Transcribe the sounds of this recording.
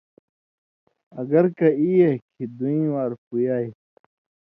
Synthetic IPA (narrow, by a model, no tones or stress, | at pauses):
ɐɡɐɾkɐijekʰid̪uĩːwaːɾpujaːj